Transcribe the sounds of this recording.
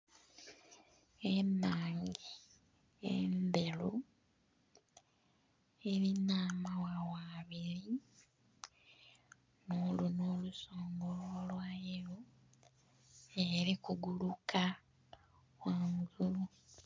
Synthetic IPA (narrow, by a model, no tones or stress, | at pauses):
emaːŋɡi | ḛmbe̞lu | eɾinaːmawawaːβiɾi | noːlunoːluso̞ːŋɡo̞lolwaːjeɾo | eɾikuɡulukʰa | waːŋɡulu